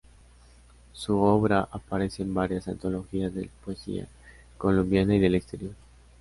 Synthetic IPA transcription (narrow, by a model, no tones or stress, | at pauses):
suoβɾaʔapaɾe̞seːmbaɾjasant̪o̞lo̞xiazðe̞̰lapoesḭa̰ | ko̞lombjanaiðe̞lekst̪e̞ɾjo̞ɾ